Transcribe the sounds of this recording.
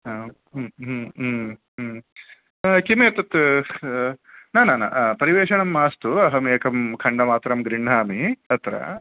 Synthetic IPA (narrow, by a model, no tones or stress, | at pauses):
kimeːt̪ɐt̪ | naːnaːnɐ̰ʔpɐɾiʋeːʂɐɳɐmːaːst̪uɐɦɐmeːkɐmkʰɐɳɖɐmaːt̪ɾɐmɡɾiɳɖʱaːmiɐt̪ɾɐ̰